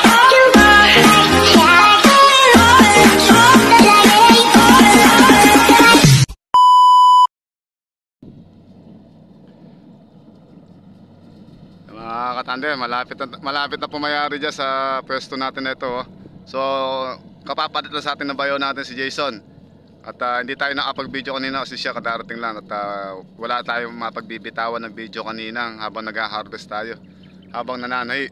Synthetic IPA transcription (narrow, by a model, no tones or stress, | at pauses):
ɐŋɐkɐt̪and̪ɛmɐlaːpɪt̪ɐmɐlaːpɪt̪̚nɐpɐmɐjaːɾɪd͡ʒansɐpwɛst̪onaːt̪ɪnɐʔɪt̪o̞so̞ | kɐpapalɪt̪laŋsɐʔaːt̪ɪŋnɐbajonaːt̪ɪnsɪd͡ʒɛjson | ʔɐt̪ɐhɪnd̪iːt̪aːjonɐkɐpɐɡ̚bid̪jokɐniːnɐkɐsɛʃakɐd̪aːɾɐt̪ɪŋlaŋɐt̪ɐwɐlaʔt̪aːjomɐɐpɐɡ̚bibɪt̪aːwɐnːɐŋbiːd̪jokɐniːnɐhaːbɐŋnɐɡhaːɦaɾbɛst̪aːjo̞ | haːbɐŋnɐnaːnɐjɪ